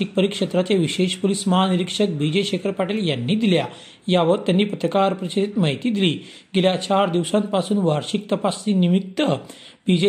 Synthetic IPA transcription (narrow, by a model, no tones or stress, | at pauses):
ik̚pəɾikʂət̪ɾat͡ɕeʋiɕeɕpolisməɦaniɾikʂək̚bid͡ʑeɕekʰəɾpaʈeljanːiːd̪ilja | jaʋəɾt̪janːiːpət̪ɾəkaɾpɾət͡ɕiɾit̪maɦit̪iːd̪iliː | ɡeljat͡ɕaɾd̪iʋsãnt̪̚pasuːnʋaɾɕik̚t̪əpast͡ɕiːnimik̚t̪ːə | b̥id͡ʑe